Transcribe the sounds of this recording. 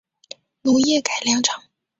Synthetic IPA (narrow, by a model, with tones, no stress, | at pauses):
nu˧˥jɛ˥˩ka˨˩ɪljɑ˧˥ŋʈ͡ʂʰɑ˨˩˦ŋ